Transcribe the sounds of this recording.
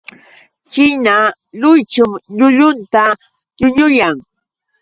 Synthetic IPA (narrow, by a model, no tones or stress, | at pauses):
hɪna | lʊjt͡ʃʊŋʎʊʎʊnt̪a | ʎʊɲʊjaŋ